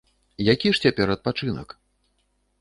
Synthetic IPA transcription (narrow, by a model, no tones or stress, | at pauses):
jakʲiʂt͡sʲapʲɛɾɐt̪̚pat͡ʂɨnɐ̰k